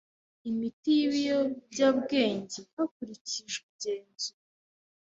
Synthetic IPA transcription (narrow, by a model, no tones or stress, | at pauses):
imitijβijobɟaːβɡe̞ːɲɟehakuɾiciʒubɟe̞ːnzu